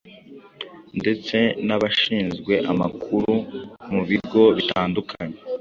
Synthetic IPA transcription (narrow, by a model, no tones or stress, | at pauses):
nde̞t͡se̞naβaʃiːnzɡwe̞ʔamakʰuɾumuβiɾɡo̞βitaːndukʰaɲe